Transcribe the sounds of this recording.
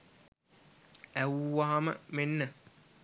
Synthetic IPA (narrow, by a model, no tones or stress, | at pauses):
æwːaːamə̰menːə